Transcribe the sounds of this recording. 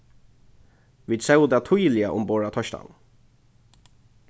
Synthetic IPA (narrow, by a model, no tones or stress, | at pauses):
ʋiːd̪sɛʊd̪ɛːt̪ʰʊjlɪəʔʊmboːɹat̪ʰɔʃt̪a̰n